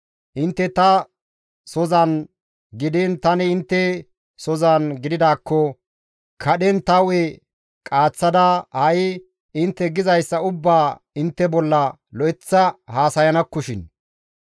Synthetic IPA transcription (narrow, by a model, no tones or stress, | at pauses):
ʔɪnt̪ːɛt̪ɐ | sɔzɐn | ɡɪd̪ɪnt̪ɐnɛɪnt̪ːɛ | sɔzɐnɡɪd̪ɪd̪aːkːɔ | kʰɐɗɛnt̪ɐwɛ | kʼaːt͡sːɐd̪ɐhɐj | ɪnt̪ːɛɡɪzɐjsːɐʊbːaː | ɪnt̪ːɛbɔlːɐ | lɔʔɛt͡sːɐhaːsɐjɐnɐkːʊʃɪn